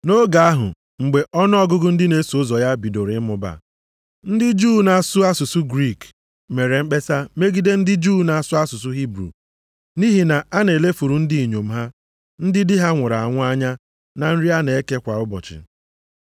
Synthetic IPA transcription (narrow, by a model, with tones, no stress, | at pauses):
no˦ɡa˨a˦ɦʊ̰˨ | ŋ͡m̩˨ɡ͡be˨ʔɔ˦n˦ɔ˦ɡʊ˦ɡʊ˦n̩˦dɪ˦ne˨˦su˨˦zɔ˨ja˦bi˨do˨ɾɪ˨˦mʊ˨ba̰˨ | n̩˦dɪ˦d͡ʒuː˦na˨sʊ˦a˦sʊ˨su˦ɡɾi˦˨k | me˨ɾe˨ŋ͡m̩˦k͡pe˦sa˦me˦ɡi˦de˦n̩˦dɪ˦d͡ʒuː˦na˨a˨sʊ˦a˦sʊ˨s̬ʊ˦ɦi˦bɾṵ˨ | ni˦ɦi˨na˨a˦ne˨le˦fu˨ɾu˨n̩˦dɪ˦i˨ɲo˨m̩˦ɦa˦ | n̩˦dɪ˦dɪ˦ɦa˦ŋʷʊ˨ɾa˨a˨ŋʷ˦a˦ɲa˦ | na˨n̩˦ɾi˦a˦ne˨e˦ke˦kʷa˨ʊ˦bɔ̰˨t͡ʃɪ̰˨